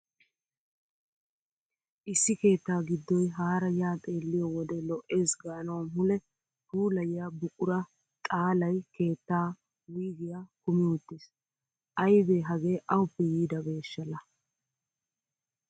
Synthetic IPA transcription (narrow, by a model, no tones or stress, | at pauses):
ʔɪsːɪke̞ːt̪ːaːɡɪd̪ːɔjɦaːɾɐjaːt̪ʼe̞ːlːɪjɔwɔd̪ɛlɔʔeːsɡaːnɐwmmʊlɛ | t̪uːlɐjɪjabʊkʼʊɾɐ | t̪ʼaːlɐjke̞ːt̪ːaː | wiːɡɪjaːkʊmɪwʊt̪ːeːs | ʔɐjbeːɦɐɡe̞ːʔɐwʊpːɛjiːd̪ɐbe̞ːʃːɐlːɐ